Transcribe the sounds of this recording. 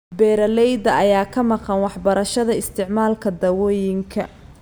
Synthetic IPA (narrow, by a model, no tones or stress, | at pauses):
bɛːɾɐlɛjd̪ɐɐjaːkʰɐmɑqɑnwɑħbɐɾɐʃɐðɐɪst̪ʰɪʕmaːlkʰɐd̪ɐwɔːjɪŋkʰɐ